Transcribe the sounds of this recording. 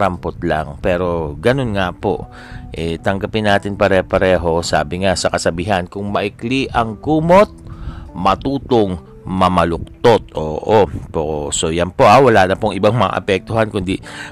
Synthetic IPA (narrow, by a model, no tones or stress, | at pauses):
ɾɐmpot̪̚la̰ŋpɛːɾo̞ɡɐnonŋapo̞̰ | ʔɛt̪ɐŋɡapɪnːaːt̪ɪnpɐɾɛpɐɾɛːɦo̞sa̰ːbɪŋasɐkɐsɐbiːɦankʊŋmɐʔɪkliʔɐŋkuːmot̪̚mɐt̪uːt̪oŋ | mɐmɐlʊk̚t̪ot̪̚ʔoːʔoposojɐnpo̞ʔawɐlaːnɐpoŋʔɪbaŋmɐŋa̰ʔɐ̰pɛk̚t̪ʊhankʊnd̪i